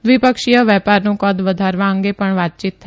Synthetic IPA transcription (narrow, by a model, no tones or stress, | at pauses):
d̪ʋipəkʃijəʋɛpaɾnũkɔd̪ʋəd̪ʱaɾʋãəŋɡepəɳʋat̪̚t͡ʃit̪ʰːə